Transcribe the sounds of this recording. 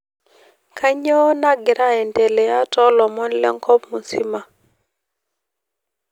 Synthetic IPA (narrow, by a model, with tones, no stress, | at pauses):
kʰa˦ɲɔ˦na˦ɡɪ˨ɾʔa˦ɛ˨ntɛ˨lɛ˨a˦tɔ˦lɔ˨mɔ˦nlɛ̰˦ŋkɔ˦pmu˨si˦ma˦